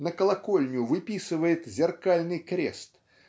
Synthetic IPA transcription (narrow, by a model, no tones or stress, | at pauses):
nɐkəlˠakɔlʲnʲʊvɨpʲisɨvəjɪt̪zʲɪrkalʲnɨjkɾʲɛ̰st̪